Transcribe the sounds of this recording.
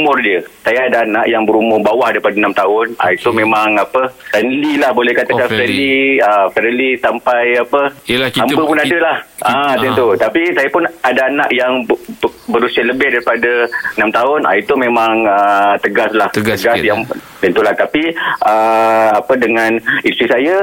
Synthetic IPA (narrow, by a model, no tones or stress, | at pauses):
mʊrdiəsajaadaːnaʔjaŋbəɾumʊrbawahdaɾipadanamt̪aʊna̰it̪umẽmaŋapəənlilahbolɛhkat̪akafɾəliəfəɾəlisampajapəampəpʊnadəlahat̪int̪ut̪apisajapʊnadaːna̰ʔjaŋbbəɾusiəʔləbɪhdaɾipadaənamt̪aʊna̰it̪umẽmaŋət̪əɡaslah̪əɡasjaŋt̪ənt̪ulaht̪apiʔəapədəŋãnĩt̪ɾisaja